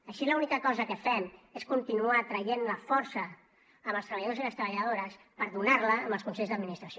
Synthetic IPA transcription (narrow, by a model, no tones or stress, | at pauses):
əʃiləunikəkɔzəkəfɛmeskunt̪inuat̪ɾəjenləfɔɾsəː | mbəlˠst̪ɾəβəʎðoziləst̪ɾəβəʎəð̞oɾəs | pəɾðunaɾləːmbəlˠskunsɛʎzðəd̪minist̪ɾəsio